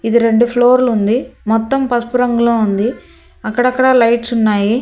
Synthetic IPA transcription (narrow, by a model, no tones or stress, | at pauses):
id̪iɾe̞ɳɖupʰloːɾlund̪imɔt̪ːɐmpɐspuɾɐŋɡuloːund̪i | ɐkːɐɽɐkːɐɽɐːlɐjʈsunːaːji